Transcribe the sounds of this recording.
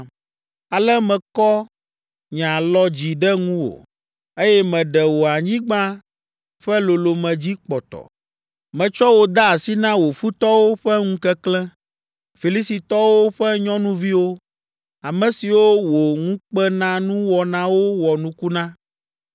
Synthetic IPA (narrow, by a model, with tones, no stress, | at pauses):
a˨lɛ˦mɛ̃˨kɔ˦ | ɲã˨lɔ˦d͡ʑi˨ɖɛ˦ŋũ˦wo̰˨ | e˦jɛ˦mɛ̃˨ɖɛ˨wo˨a˨ɲĩ˦ɡ͡bã˦ | ɸɛ˦lo˨lo˨mɛ̃˨d͡ʑi˦k͡pɔ˨t̪ɔ̰˨ | mɛ̃˨t͡ʃɔ˦wo˨d̪a˦˨si˦nã˦wo˨fu˦t̪ɔ˦wo˦ɸɛ˦ŋũ˦kɛ˦klɛ̃˦ | fi˨li˦si˨t̪ɔ˦wo˦ɸɛ˦ɲɔ̃˦nũ˦vi˦wo˦ | a˨mɛ̃˨si˨wo˦wo˨ŋũ˦k͡pɛ˦nã˦nũ˦wɔ˨nã˦wo˦wɔ˨nũ˦ku˦nã˦